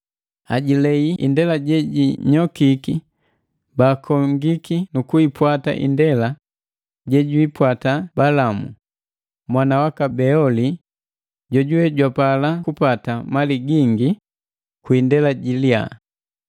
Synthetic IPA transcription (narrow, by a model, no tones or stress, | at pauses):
aɟilɛiʔḭndɛlaɟɛɟiɲɔkiki | baːkʰɔŋɡikinukuipwata̰ʔḭndɛla | ɟɛɟuipwatabalamṵ | mwanawakabɛɔli | ɟɔɟuɛɟwapalakupatamaliɡiŋɡi | kwindɛlaɟilia̰